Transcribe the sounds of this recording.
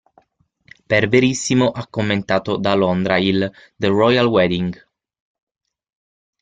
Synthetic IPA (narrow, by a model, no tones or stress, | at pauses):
perveɾisːimoʔakːomːent̪aːt̪od̪alond̪ɾaild̪ərɔjalwɛd̪iŋɡ